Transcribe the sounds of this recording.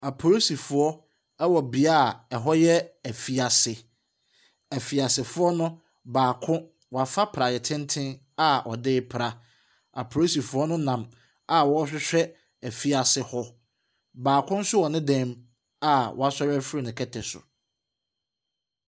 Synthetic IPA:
a˨pʰo˨ɾo˦si˨fʊ˨ɔ˦ | ɛ˦wɔ˨bi˨a˦˨ɛ˨ɦɔ˦jɛ˦æ˨fi˨a˨sɪ˨ | æ˨fi˨a˨sɪ˨fʊ˦ɔ˦nʊ̃˦ | baː˨kʰʊ̃˦ | wɔ˨a˨fa˦pʰɾa˨jɛ˨tʰɪ̃˦n˦tʰɪ̃˦n | a˦˨ʔɔ̰˨dɪː˦pʰɾa˨ | a̰˨pʰo˨o˦si˨fu˨˦ɔ˦nʊ̃˦nã˨m | a˨wɔ˦ɕᶣɪ˦ɕᶣɛ˦ | æ˨fi˦a˨sɪ˨hɔ˦ | baː˨kʰʊ̃˦n̩˦sʊ˦wɔ˨nɪ̃˦dɛ̃˦m | a˨wɔ̰˨a˨sɔ˦ɾɛ˦fɾi˦nɪ̃˨kʰɛ˦tʰɛ˨sʊ̰˨

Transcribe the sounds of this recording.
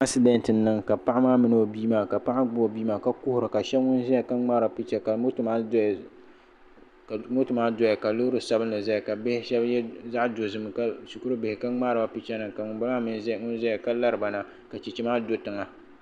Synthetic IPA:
a˦ksi˦dɛ˦ntɨ˨nːɨ˨ŋka˨pa˦ʔa˦maː˦mɨ˦n˨˦o˨biː˦maː˨ka˨pa˦ʔa˦ɡ͡bo˨biː˦maː˨ka˦kʊ˦hʊ˨ɾɨ˨ka˨ʃɛ˦bŋʊ˦n˦zɛ˦a˨ka˦ŋ͡maː˦ɾa˨pi˦t͡ʃɛ˦ka˨mo˦tma˦˨ | kmo˦tɨ˨maː˦dɔ˦ja˨ka˨lʊ˦ʊ˦ɾɨ˨sa˦bɨ˦nːɨ˨za˦ja˨ka˨bɪ˦hɪ˦ʃɛ˦bjɛ˦za˦ʔdo˨zɨ˦m˨ka˦su˨kʊ˦ɾɨ˦bɪ˨hɪ˨ka˦ŋ͡maː˦ɾɨ˨ba˨pi˦t͡ʃɛ˦nɨ˨ŋka˨ŋʊ˨nba˦lmaː˦mɨ˦n˦zŋʊ˦n˦zɛ˦ja˨ka˦la˦ɾɨ˨ba˨na˨ | ka˨t͡ʃi˨t͡ʃi˦maː˦do˦tɨ˨ŋa˦

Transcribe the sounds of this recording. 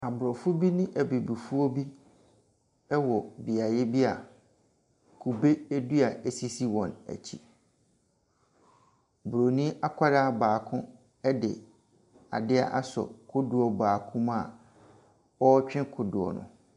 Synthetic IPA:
a˨bʊ˨ɾɔ˨fʊ˦bi˦nɪ̃˦ʔæ˨bi˨bu˨fu˦ɔ˦bi˦ | ɛ˦wɔ˨bi˨a˨jɛ˦bi˦a˨ | kʰu˨be˦ɛ˦du˦a˨æ˨si˦si˦wɔ̃˨næ̰˨t͡ɕʰi˦˨ | bʊ˨ɾo˨nĩ˦a˦kʷʰa˦ɾaː˦˨baː˨kʰʊ̃˦ | ɛ˦dɪ˨ | a̰˨dɪ˦a˦ʔa˦sɔ̰˨kʰʊ˦dʊ˨ɔ˨baː˨kʰʊ̃˦m˦a˨ | ɔ˦t͡ɕᶣɪ̃˦kʰʊ˨dʊ˨ɔ̰˨nʊ̰̃˨

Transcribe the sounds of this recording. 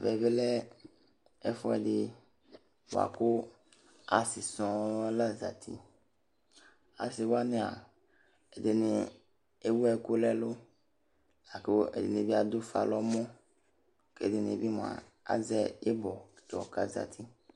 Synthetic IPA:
vɛ˨be˦lɛ˦ | ɛ˦fɔ˦ɛ̰˨dɪ˦ | w̰a̰˨ko˦ | a˨si˨sɔ̃˨˦wa˦la˦za˨t̪ʰḭ˨ | a̰˨si˨wa˦nɪ̃˦a̰˨ | e˨de˨nĩ˨ | e˦wu˦ɛ˨ko˦lɛ˦lo˦ | a˨ko˦ḛ˨dḛ˨nĩ˨˦bi˦a˦d̪o˦fa̰˨lɔ˦mɔ̃˦ | kḛ˨˦˨de˨nĩ˨e˨bi˦mã̰˨ | a̰˦zɛ˦e˦bɔ˨tɔ̰˨ka̰˨za̰˨t̪ʰi˦

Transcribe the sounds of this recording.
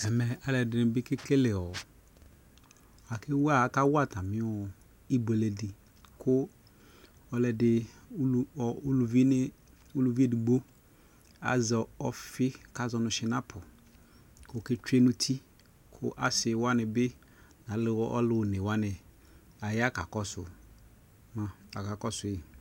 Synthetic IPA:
ɛ˨mɛ˨a˨lɛ˨dɪ˨nʊ˨bɪ˦kɪ˦kɪ˦lɪ˨ɔ˨ | a˨kʰɪ˦wa˦˨˦ka˦wa˦ta˨mɪ̃˦ɔ˨ | i˦be˨le˨dɪ˨ | kʰʊ˦ | ɔ˨lɛ˨dɪ˨˦˨ | lu˨vi˦ɪ˦ | u˦lu˨vi˦e˦˨di˨ɡ͡bo˦ | a̰˨zɔ˨ɔ˨fɪ˦ka˦zɔ˨nʊ˨ʃɪ˦na˦pʰʊ˨ | kʊ˦˨kɪ˦t͡ʃe˦nʊ˦tʰi˦ | kʰʊ̰˦ʔa˨sɪ˨wa˦nɪ˨bɪ˦ | nã˨˦lɪ˦ɔ̰˦lʊ˨ne˨wa˦nɪ˨ | a˨ja˦ka˨kɔ˦sʊ̰˨ | ma˨a˨ka˨kɔ˦sʊ˨i˨

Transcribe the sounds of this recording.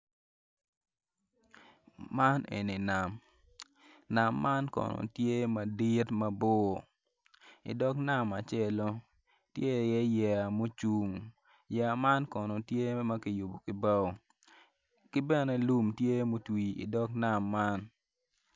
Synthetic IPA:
ma˦nḛ˨ni˨na˨m | na˨mːa˦nkɔ̰˨no̰˨tje˦ma˨di˦tma˦bo˦˨ | ḭ˨dɔ˦kna˦˨ma˨t͡ʃɛ˦lo˦ | tje˦˨jɛ˦jɛ˨a˨mo˦t͡ʃu˨ŋ | jɛ˨a˨ma˦nkɔ˨no˨tje˦ma˦ki˨ju˨bo˨kɪ˨ba˦o˨ | kɪ˦bɛ˦nɛ˨lu˦mtje˦mo˦twi˨ḭ˨dɔ˦kna˨mːa˦n

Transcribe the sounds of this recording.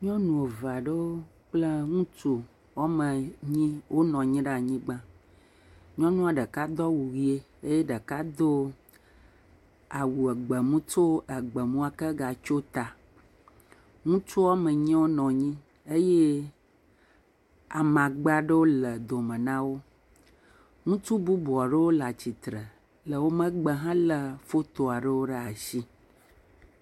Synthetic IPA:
ɲɔ̃˦nũ˨o˨va˨ɖe˦wo˦ | k͡ple˦ŋũ˦t͡ʃu˦ | wa˦mə̃˨ɲĩ˦wʔo˦nɔ̃˨ɲĩ˦ɖa˦˨ɲĩ˦ɡ͡bã˦ | ɲɔ̃˦nũ˦a˨ɖə˨ka˦d̪ɔ˦wu˨wi˦e˦ | e˦je˦ɖə˨ka˦d̪o˦ | a˨wu˨ɛ˨ɡ͡bə˨mũ˦t͡ʃo˦ə˨ɡ͡bə˨mũ˦a˨kə˦ɡa˨t͡ʃo˦t̪a˨ | ŋũ˦t͡ʃu˦a˦mə˨ɲ̃˦wo˦nɔ̃˨ɲĩ˦ | e˦je˦ | a̰˨mã˨ɡ͡ba˦ɖe˦wo˦lə˨d̪o˨mə̃˨nã˦wo˦ | ŋũ˦t͡ʃu˦bu˦bu˨a˨ɖə˦wo˦la˨t͡ɕi˨t̪ɾə˨ | lə˨wo˦mə̃˦ɡ͡bə˨ɦã˦lə˨fo˦t̪o˨a˨ɖə˦wo˦ɖə˦a˨ʃi˦

